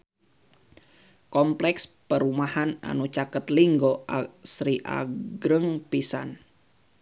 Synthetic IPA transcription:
kɔmplɛkspəɾumahana̰nut͡ʃakət̪liŋɡoʔasɾiʔa̰ɡɾəŋpisan

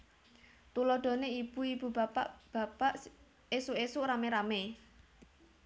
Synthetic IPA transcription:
t̪ulɔɖ̪̥ɔ̤neib̥uib̥ṳbapab̥a̤paʔ | esuʔesuʔɾameɾame

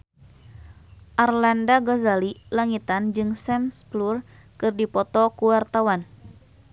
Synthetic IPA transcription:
ʔarlandaɡozalilaŋit̪and͡ʒɨŋsɛmsplur | kɨrdipɔt̪ɔkuwart̪awan

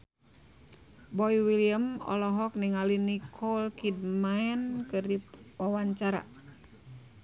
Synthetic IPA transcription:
bɔjwiliəmɔ̰lɔɦɔk̚niŋalinikʰɔlkid̚maɛnkɨrdiwawaɲt͡ʃaɾa̰

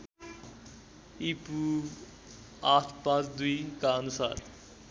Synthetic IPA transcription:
iːpuː | aːt̪ʰpãt͡sd̪uikaənusa̰ːɾ

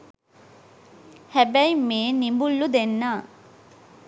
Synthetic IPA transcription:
hæbæjmeːnimbulːud̪enːaː

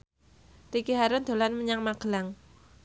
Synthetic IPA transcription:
rikiɦaɾʊnd̪̥o̤lanməɲaŋmaɡ̥əlaŋ

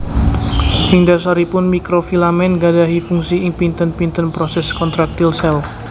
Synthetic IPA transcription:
miŋdasaɾipʊnmikɾofilamɛnɡadaɦifuŋsiɪŋpint̪ənpint̪ənpɾɔsɛskɔnt̪ɾak̚t̪ilsɛl

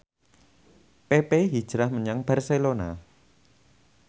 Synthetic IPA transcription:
pepeɦid̥ʒ̥ɾahməɲaŋb̥arselona̰

